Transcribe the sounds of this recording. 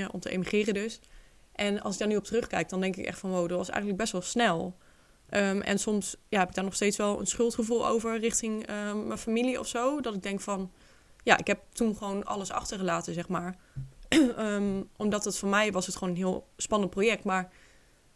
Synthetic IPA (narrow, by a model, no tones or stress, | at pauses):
əʔɔ̰mtəʔḛjmiχɪːrədɵs | ʔɛnɑ̰lˠsɪɡ̚daːɹnyɔp̚tərɵχkɛjk̚dɑndɛŋkɪkɛ̰χtfɑnʋowdətʋɑsɛ̰jχənləɡ̚bɛstʋɛlˠsnɛlˠ | ʔəmʔɛ̰nsɔmsjaːɦɛpɪɡ̚daːɹnɔχstejtsʋɛlˠə̰nsχɵlˠtχəvulˠo̰wvəɹrɪχtɪŋəmɛnfamiliɔ̰fsowdɑtɪɡ̚dɛŋkfɑn | jaːʔɪ̰kɦɛp̚tunχəʋownɑ̰ləsɑ̰χtəɹχəlaːtəzɛχmaːɹ | əʔɔmdɑtətfɔnmɛjʋɑsətχəʋonənɦɪːlˠspɑnənt̚projɛk̚tmaːɹ